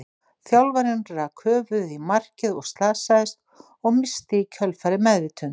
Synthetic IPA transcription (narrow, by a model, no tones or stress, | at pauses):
θjawlvaɾɪnɾakʰœːvʏðimar̥cɪðɔɣst̪laːsaðɪst̪̚ | ɔɣmɪst̪ɪicʰœlfaɾɪmɛðvɪt̪ʰʏn